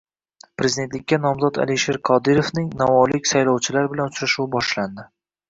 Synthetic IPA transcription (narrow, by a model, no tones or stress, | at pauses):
pɾe̞zid̪e̞nt̪lɪkʲːanɒmzɒt̪a̰liʃeɾqʰɒd̪ɪɾofnɪŋnavɒlɪkʲsajlɒwt͡ʃʰɪlaɾbɪlanʊt͡ʃʰɾaʃuwɪbɒʃland̪ɪ